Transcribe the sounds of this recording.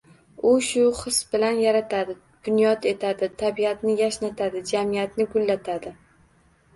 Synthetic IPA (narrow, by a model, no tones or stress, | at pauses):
ʊʃʊχɨsbɪlanjaɾat̪ʰad̪ɪ | d̪̥ʊnjɒt̪ʰe̞t̪ʰad̪ɪt̪ʰabiat̪nɪjaʃnat̪ʰad̪ɪd͡ʒamijat̪nɪɡʊlːat̪ʰad̪ɪ